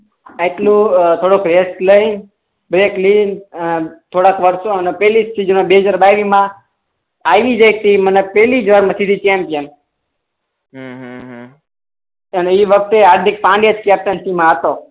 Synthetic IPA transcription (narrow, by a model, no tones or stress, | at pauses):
eʈlũt̪ʰoɽokɾesʈləjn | bɾeklinət̪ʰoɽakʋəɾsoənepɛlist͡ʃid͡ʒonãbeɦəd͡ʒaɾbaiɾimã | aʋid͡ʒəjt̪imənepɛlid͡ʒʋaɾmãsid̪ʱit͡ʃɛmpijən | ɦə̃ɦɦ | əneiʋək̚ʰt̪eaɾd̪ʱik̚pãɳɖijad͡ʒkɛp̚ʈənsimãət̪o